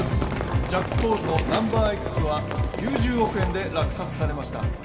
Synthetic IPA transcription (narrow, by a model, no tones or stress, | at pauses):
d͡ʑakːɯ̟̥po̞ːd̪ono̞nãmbaːekːɯ̟̥sɨβa | kʲɨːʑɨːo̞kɯ̟ẽnd̪e̞ɾakɯ̟̥sat͡sɨ̥saɾe̞maɕi̥t̪a̰